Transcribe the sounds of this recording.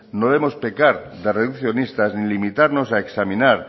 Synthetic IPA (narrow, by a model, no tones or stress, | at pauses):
noðemospekaɾ | d̪areðukθjonist̪aznilimit̪aɾnosaeksamĩnaɾ